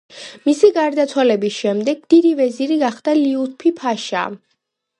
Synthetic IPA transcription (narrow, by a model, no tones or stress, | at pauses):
misiɡaɾd̪at̪sʰwalɛbisʃɛmd̪ɛɡ̚d̪̥id̪ivɛziɾiɡaχd̪aliut̪̚pʰipʰaʃa̰